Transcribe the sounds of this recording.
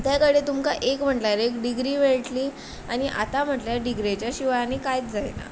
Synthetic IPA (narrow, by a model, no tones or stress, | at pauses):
t̪jakəɽet̪umkaʔekm̤əʈlaɾekɖiɡɾiːʋeɭʈliː | añiʔa̰t̪am̤əʈljaɖiɡɾet͡ɕjaɕiʋaɭanikajt͡sd͡zajna̰